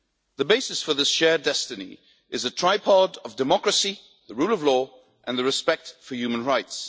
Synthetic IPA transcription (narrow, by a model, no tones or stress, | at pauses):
ðəbeɪsɨsfə˞ðɪsʃɛɹdɛstɨnḭ | ʔɨzətʰɹ̥aɪpʰɑɾəvdɨmɑkɹəsi | ðəɹuːlˠʌvlɔ | ʔə̃nðɨɹɨspɛk̚tfəjʉmə̃nɹaɪts